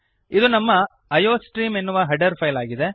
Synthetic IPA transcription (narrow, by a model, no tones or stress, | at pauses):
id̪unɐmːɐ | ɐjoːsʈɾiːmenːuʋɐɦɐɖɐɾpʰɐjlaːɡid̪e̞